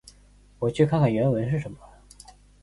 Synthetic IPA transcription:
wɔ˨˩t͡ɕʰy˥˧kʰa˥˩nkʰa˨˩ɥɛ˧˥nwə˧˥nʂ̬ɻ̩˥˩ʂə˧˥nmə˨

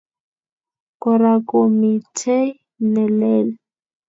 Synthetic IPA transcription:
kɔ˨ɾakomitʰe˦ | nɛ˨lɛː˦lɛ

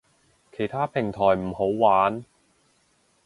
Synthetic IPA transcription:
kʰe˨˩jt̪ʰaː˥pʰɪ˨˩ŋt̪ʰɔː˨˩jm̩˨˩ho˨˥wwaː˨˥n

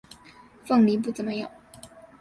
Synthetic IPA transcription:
fɤ˥˩ŋli˧˥p̬u˥˩t͡sə˨˩nmə˧˦jo˨˩˦

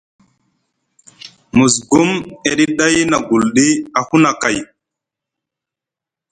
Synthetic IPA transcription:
mu˨s̬ɡu˦me˨ɗi˦ɗa˦jna˨ɡu˨lɗi˦a˨hu˦na˨ka˨j

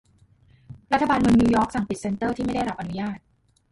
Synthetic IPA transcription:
ɾa˦˥t̪ʰːa˧baː˧nmɯ˧ŋniː˧wjɔː˦˥k̚sa˨˩ŋpi˨˩t̪̚se˧nt̪ɤː˥˩t̪ʰiː˥˩a˥˩jda˥˩jɾa˦˥pʔa˧nu˦jaː˥˩t̪̚

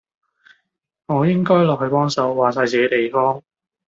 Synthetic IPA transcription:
ŋɔː˨˧jɪ˥ŋkɔː˥jlɔː˨k̚hɵ˧ɥpɔː˥ŋsɐ˨˧wːaː˨˩s̬aː˧jt͡siː˨ke˧˥t̪e˨jfɔː˥ŋ

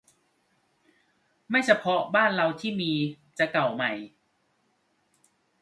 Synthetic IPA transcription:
ma˥˩jt͡ɕʰa˧pʰɔ˦˥baː˥˩nɾa˧wt̪ʰiː˥˩miː˧ | t͡ɕa˨˩ka˨˩wma˨˩j

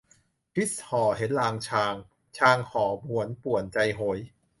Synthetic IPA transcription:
pʰi˦˥shɔː˨˩˦ɦe˨˦nlaː˧ŋt͡ɕʰaː˧ŋ | t͡ɕʰaː˧ŋhɔː˩˦bu˨˩˦ənpu˨˩ənt͡ɕa˧jɦo˩˦j

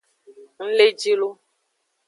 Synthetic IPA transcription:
ŋ̩˦le˦d͡ʒi˦lo˦

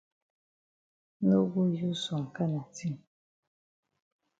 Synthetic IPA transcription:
no˦ɡu˦ju˦sɔ˨ŋ̩˨ka˦na˨ti˦ŋ

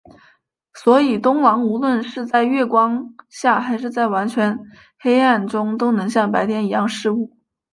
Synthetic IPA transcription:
swɔ˧˥i˨˩t̪ʊ˥ŋlɑ˧˥ŋu˧˥lwə˥˧nʂɻ̩˥˧t͡sa˥˧ɪɥɛ˥˩kwɑ˥ŋɕja˥˩xa˧˥ɪʂɻ̩˥˧t͡sa˥˩ɪwa˧˥nt͡ɕʰɥɛ˧˥n | xe˥ɪa˥˩nʈ͡ʂʊ˥ŋt̪o˥ʊnɤ˧˥ŋɕjɑ˥˩ŋpa˧˥ɪt̪ʰjɛ˧˥ni˧˥jɑ˥˧ŋʂɻ̩˥˧u˥˩

